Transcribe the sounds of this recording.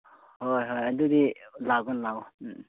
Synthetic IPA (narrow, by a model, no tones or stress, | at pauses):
hojɦojadudilaɡɔnlaw